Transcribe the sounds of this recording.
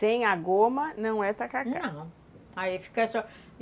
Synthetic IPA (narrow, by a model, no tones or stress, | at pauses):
t̪ẽj̃aɡomɐnɐ̃w̃ɛt̪akaknɐ̃w̃ | aifi̥kɐsɔ